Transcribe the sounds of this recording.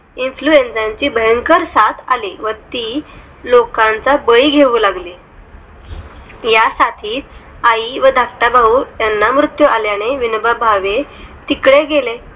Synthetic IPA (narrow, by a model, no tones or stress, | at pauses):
influensãɲt͡ɕiːbəjəŋkəɾsat̪ʰaliʋəɾt̪iː | lokãnt͡sabəiɡʱeʋuːlaɡli | jasat̪ʰiːt̪̚ | aiʋəd̪ʱak̚ʈ̪abauːjanːamɾut̪juʔaljaneʋinbəbʱaʋet̪ikɽeɡele